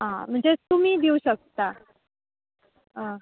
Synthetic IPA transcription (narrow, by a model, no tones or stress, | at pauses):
ɦãm̤əɳd͡zet̪um̤iːd̪iuɕək̚t̪a | ɦã